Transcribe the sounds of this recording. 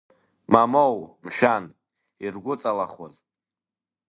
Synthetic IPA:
mamowmʃᶣan | irɡʷʊt͡sʼalaχwoz

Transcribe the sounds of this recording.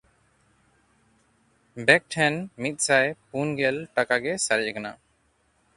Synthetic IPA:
bɛk̚ʈʰɛnmit̪̚ˀsajpunɡɛlʈakaɡɛsaɾd͡ʒɛkana̰

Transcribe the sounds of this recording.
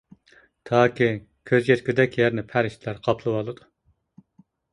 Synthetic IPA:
t̪ʰɑːkʲʰi | kʲʰøzjɛt̪kʲyd̪ɛkʲjɛɾnɪpʰæɾɪʃt̪ʰlæɾqʰɑpʰlˠɨwɑlˠɨd̪u

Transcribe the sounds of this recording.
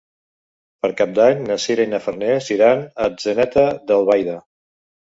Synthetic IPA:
pəɾkap̚d̪aɲnəsiɾainəfəɾnesiɾanəzənɛt̪əd̪əlˠβajðə

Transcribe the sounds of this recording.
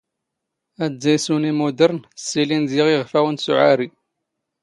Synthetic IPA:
æzæjsunimud̪əɾnəsːilinziʁiʁfæwənsuʕaɾi

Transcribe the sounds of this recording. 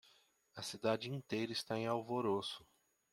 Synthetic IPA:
ɐsid̪ad͡ʒɪĩnt̪ejɾɐist̪aẽawvoɾosʊ̥

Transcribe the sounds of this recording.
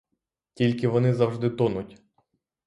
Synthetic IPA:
tʲilʲkɪʋɔnɪzɐwʒd̪ɪt̪ɔnʊtʲ

